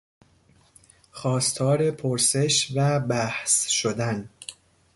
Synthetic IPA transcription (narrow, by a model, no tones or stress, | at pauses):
xɒːst̪ʰɒːɾe̞pʰoɾse̞ʃvæbæhsʃod̪æn